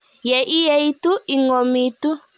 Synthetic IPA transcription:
jɛ˨ʔi˦jɛ˨i˦t̪u˦i˨ŋɔ˨mi˨tu˦

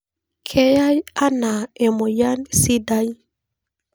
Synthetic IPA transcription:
kʰe˦ja˦ja˦na˨e˨mo˨ja˦nsi˦da˦j

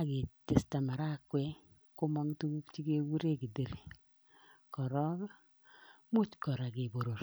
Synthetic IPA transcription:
a˦˨ɡɪ˨tɪ˨sta˨ma˨ɾa˦˨kwɛ˦ | kʊ˦ma˦ŋtu˦ɡu˦kt͡ʃi˦ke˦wu˦ɾe˦ɡi˨de˨ɾi˨ | kɔ˨ɾɔ˦ | mu˦t͡ʃkɔ˨ɾa˨ɡɪ˨bo˨ɾo˨ɾ

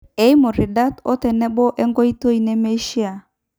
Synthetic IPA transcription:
e˦i˦mo˨ɾi˨da˦tɔ̰˦tɛ˨nɛ˦bɔ˦ʔɛ˦ŋɡɔ˦i˦to˦i˨nɛ˦me˦ʃi˦a˨

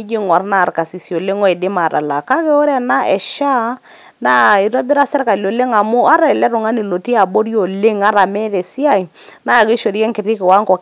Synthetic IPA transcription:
d͡ʒi˦ŋa˨ɾnaː˦˨ɾka˨si˨sjo˨lɪ˦ŋɔ˦ɛ˨dɪ˦ma˨ta̰˨la˨ka˦kɛ˦o˦ɾɛ˦na˦ʔɛ˨ʃa˦ | na˦i˨tɔ˦bɪ˦ɾa˦sɛ˦ɾka˨lo˨lɪ˦ŋa˨mʊ˦a˦ɾa˨ɛ˨lɛ˦ɾʊ˨ŋa˦ni˨lo˨ti˦a˨bo˦ɾjo˨lɪ˦ŋa˦ɾa˨mɛ˦ðɛ˨si˦a˦˨j | na˦˨kɪ˦ʃo˨ɾi˦kɛ˦ŋkɪ˨ɾɪ˦kɪ˨wa˦ŋkɔ˨k

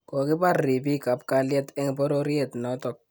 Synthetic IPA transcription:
kɔ˨kɪ˦pa˦˨rːi˨bi˦ka˨p̚ka˨ljɛ˦tɛ˦ŋ˨pɔ˦ɾo˦ɾjɛ˨tnɔ˦tɔ˨k̚

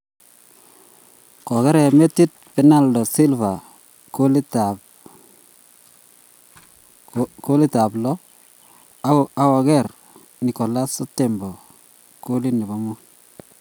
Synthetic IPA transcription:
kɔ˨kɛ˦ɾɛ˨me˦ti˦t̚pɛ˨na˦ldɔ˨si˦lva˨ | koli˦ta | ko˦li˦ta˨blɔ˦ | a˦ɔ˨ɡɛ˦˨r | ni˨kɔ˨la˦se˦tɛ˨mbɔ˨ | ko˦li˦ni˨bɔ˦mu˦

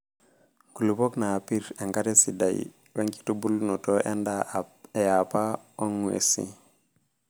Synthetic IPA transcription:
ŋɡu˨lu˨bo˦kna˨pi˦ɾe˨ŋɡa˦ɾe˦si˨da̰˨j | we˦ŋki̥˦tu˦bu˦lno˨to˦ʔe˦nda˦e˨ja˨pa˦o˦ŋwḛ˨sḭ˦

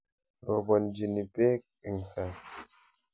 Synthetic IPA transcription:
ɾɔ˨bɔ˨n˨d͡ʒi˨ni˨pe˦k | i˨ŋ̩˨sa˨

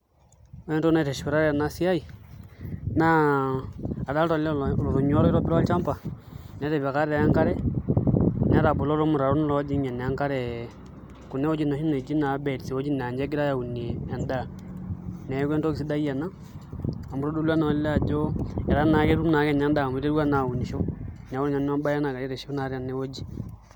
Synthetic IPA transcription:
o˦ɛ˦nto˦na˦˨te˨ʃpi˨ɾa˦ɾɛ˨na˦si˦a˦i˨ | na˦ | a˨da˦ltɔ˨lɛ˦˨lɔ˨ɾo˨ɲɔ˦ɾɔ˦i˦ɾɔ˦pɪ˦ɾt͡ʃa˦mpa˨ | nɛ˨˦ɾe˨βɛ˨ka˦ɾɛ˨ja˦ŋka˦ɾɛ˦ | n˨a˨˦ɾa˨bu˨lɔ˦ɾo˦mu˨ɾa˨ɾu˦n˦lɔ˦d͡ʒi˦ɲɛ˨n˨a˦ŋka˦ɾɛ˨ | ku˨ne˦wo˦d͡ʒi˦na˨˦ʃi˦ne˨d͡ʒi˦na˨˦bɛ˨dse˨wo˦d͡ʒi˦n˨a˨ɲd͡ʒɛ˦k̬i˦ɾa˦ja˨u˨n˨e˨a˨nda˦˨ | nɛ˨˦kwɛ˦nto˦ki˨si˦da˦ija˨naː˦˨ | mu˦ɾo˦du˦la˦n˨˦lɛ˦a˨d͡ʒo˦ɛ˨a˦na˨˦ke˦ɾu˦mna˨˦kɛ˦˨na˨˦nda˦˨mi˦ɾe˦ɾwa˦na˨u˨ni˨ʃo˦n˨a˨wo˦ɾɲa˨˦n˦ma˦ba˦ja˦na˨ka˨ɾi˦ɾe˨ʃo˦na˨˦ɾa˨ne˦wo˦d͡ʒi˦

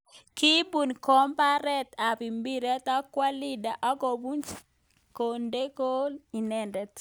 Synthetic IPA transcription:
ki˦bu˨nkɔ˦mpa˦ɾɛ˦t̪a˨pi˨mbi˦ɾe˦ta˦kwa˦li˦da˨ʔa˦ɡo˨bu˦nt͡ʃ | ko˨nde˦ko˦li˨nɛ˨ndɛ˨t

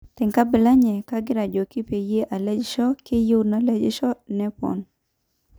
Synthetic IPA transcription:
t̪ɛ˨ŋka˦bɪ˨la˦ɲɛ˨ka˦ɡɪ˦ɾa˨d͡ʒɔ˨kɪ˦pe˨je˦ʔa˨lɛ˦d͡ʒɪ˦ʃɔ˦kɪ˦jʊ˦na˨lɛ˦d͡ʒɪ˦ʃɔ˦nɛ˦pɔ̰˨n

